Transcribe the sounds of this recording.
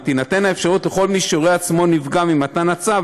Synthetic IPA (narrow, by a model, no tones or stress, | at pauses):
t̪inat̪e̞naefʃaʁut̪leχo̞lmiʃeoʁeat͡smo̞nivɡamimat̪anat͡sav